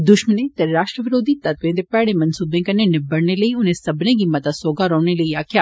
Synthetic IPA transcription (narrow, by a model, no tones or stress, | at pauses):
d̪ʊʃmənẽt̪ɛɾaːʃʈɾəʋɪɾoːd̪it̪ɐt̪ʋẽːd̪epɛːɽemɐnsuːbẽkɐnːẽnɪbɐɽneləiʊnẽsɐbnẽɡimɐt̪asoːɡaɾɔːñeləiaːkʰjaː